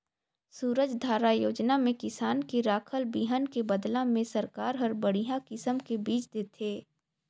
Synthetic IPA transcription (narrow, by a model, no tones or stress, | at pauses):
suːɾəd͡ʒd̪ʱaːɾajoːd͡ʒnamẽkɪsaːnkeɾaːkʰəlbiɦənkebəd̪lãmẽsɐɾkaːɾɦəɾbəɽiɦãkɪsəmkebiːt͡ʃd̪eːt̪ʰeː